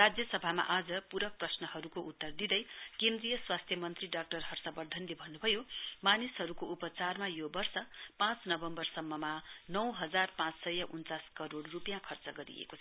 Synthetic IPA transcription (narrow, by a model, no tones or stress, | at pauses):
rad͡zjʌsʌbʱama̰ʔad͡zʌpuɾʌk̚prʌsnʌhʌɾukoʔut̪ːʌrd̪id̪ʌjkend̪rijʌswast̪ʰjʌmʌnt̪riɖak̚ʈʌrɦʌrsʌbʌrd̪ʱʌnlebʱʌnːubʱʌjomanisɦʌɾukoʔupʌt͡sarmajobʌrsʌpãt͡snʌbʌmbʌrsʌmːʌmanʌwɦʌd͡zarpãt͡ssʌjʌʔunt͡saskʌɾoɽrupjãkʰʌrt͡sʌɡʌɾḭḛkot͡sʰʌ